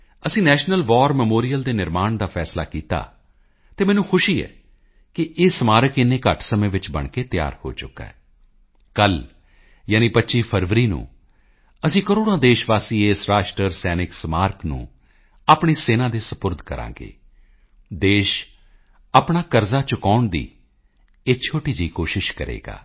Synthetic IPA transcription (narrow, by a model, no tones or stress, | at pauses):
əsĩːnɛːʃnəlʋɔːɾmɛmoːɾijəld̪eːnɪɾmaːɳd̪aːpʰɛːsla̰ːkiːt̪a̰ː | t̪eːmɛːnũːxʰʊʃiːɛ̰ː | kɪʔeːsmaːɾəkɪneːkəʈʰsəmẽːʋɪt͡ʃbə̰ɳkeːt̪ɪja̰ːɾho̰ːt͡ʃʊkːa̰ːɛː | kəl | jaːnĩːpətːʃiːpʰəɾʋɾiːnṵ̃ː | əsĩːkəɾoːɽãːd̪eːʃʋaːsiːeːsɾaːʃʈɾəɾsɛːnɪksmaːɾknṵ̃ː | aːpɳiːseːnãːd̪eːsəpʊɾd̪ʱkəɾʔã̰ːɡḛː | d̪eːʃ | aːpɳaːkəɾzaːt͡ʃʊkaːʊɳd̪ḭː | et͡ʃʰoːʈiːd͡ʒiːkoːʃɪʃkəɾḛːɡa̰ː